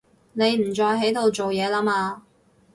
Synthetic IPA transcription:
ne˨˧jm̩˨˩t͡ʃɔː˧jɦe˨˥jt̪o˨˧wt͡so˨wjɛː˨˧laː˥maː˧

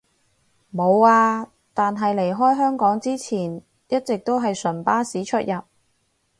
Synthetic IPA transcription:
mo˨˧waː˧ | t̪aː˨nɦɐ˨jle˨˩jɦɔː˥jɦœː˥ŋkɔː˨˥ŋt͡siː˥t͡sʰiː˨˩n | jɐ˥t̚t͡sɪ˨k̚t̪o˥wɦɐ˨jsɵ˨˩npaː˥siː˨˥t͡ʃʰɵ˥t̚jɐ˨p̚

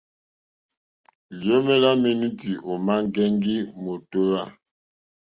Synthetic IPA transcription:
ljo˦me˦la˦me˨nu˦ti˨ʔo˨ma˦ŋɡɛ˦ŋɡi˦mo˨to˦wa˦˨

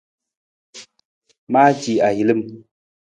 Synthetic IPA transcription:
maː˦d͡ʒi˨a˨ji˨lɨ˦m

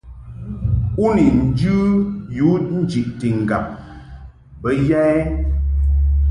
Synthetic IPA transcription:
u˦ni˨n̩˨˦d͡ʒʉ˦ju˨˦n̩˦d͡ʒi˨ʔti˨ŋ̩˨ɡa˨p̚ | bə˦ja˦ɛ˦

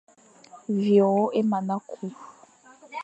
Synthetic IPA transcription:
vjɔ˨ɔ˦ʔe˦ma˨na˦kʰu˦f

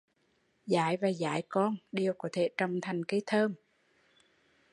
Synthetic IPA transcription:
za̰ː˧˦jvaː˨˩za̰ː˧˦jkɔ˧nɗi˨˩əwkɔ˨˧˦t̪ʰe˧˩t͡ɕɔ˨˧˩wŋ͡mt̪ʰa˨˩jŋ̟ke˨˦jt̪ʰəː˧m

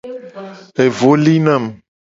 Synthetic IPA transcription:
e˨vo˦li˦nã˦˨m

